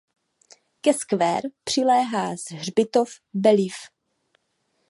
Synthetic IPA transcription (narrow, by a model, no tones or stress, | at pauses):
kɛskvɛ̰ːɾpr̝̥ɪlɛːɦaːzr̝bɪt̪of | bɛlɪf